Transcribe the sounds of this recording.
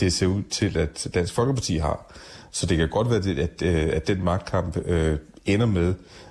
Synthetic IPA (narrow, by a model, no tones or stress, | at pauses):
d̥e̝se̝̰ɐuð̰ˠt͡sʰe̝læd̥d̥æn̰sɡ̥fɒ̽lɡ̥əpʰɑ̈t͡sʰḭːɦɑ̈sɒ̽d̥e̝kʰæɡ̥ɒ̽d̥ʋæːɐd̥e̝æ̥æd̥enmɑ̈ɡ̥̚d̥kʰɑ̈m̰b̥ø | enɐmeð̞ˠ